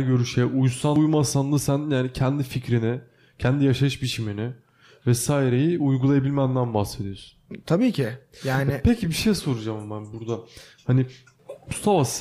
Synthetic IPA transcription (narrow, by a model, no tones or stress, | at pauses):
ɟø̞ɾyʃejʔujsajmasanlˠɯsænjaːnicʰɛnd̪ificɾinɪ | cʰɛnd̪ijaʃaɯʃbit͡ʃʰiminɪ | vɛsaːjiɾe̞jiujɡulˠajabilʲmænd̪ænbahse̞d̪ijoɾsu̥nt̪ʰabiːcʰɪjaːnɪpʰecʰibiʃejso̞ɾud͡ʒambænbuɾd̪a | hanɪ | must̪ʰavas